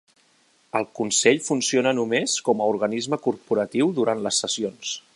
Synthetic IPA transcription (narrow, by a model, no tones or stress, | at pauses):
əlˠkunsɛʎfunsionənumeskɔməuɾɣənizməkuɾpuɾət̪iwðuɾant̪ləsːəsions